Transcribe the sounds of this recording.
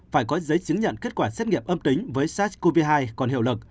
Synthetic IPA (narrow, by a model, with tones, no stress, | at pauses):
faː˧˩jkɔ˨˦zə˨˦jt͡ɕɨ˨˦əŋɲə̰˧˨nke˦˥t̚kwaː˧˩sɛ˦˥t̚ŋḭ˧˨əmʔə˧mt̪ï˨˦ŋ̟vəː˨˦jsaː˦˥ko˧vi˧ɦaː˧jkɔ˨˩nhi˧˩əlɨ˨˩k̚